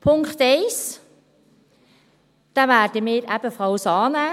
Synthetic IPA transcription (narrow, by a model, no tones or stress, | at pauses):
pʰʊŋkχtɛɪs | d̥aːvæːd̥əmɪːɾæb̥əfʁawsɑːnæː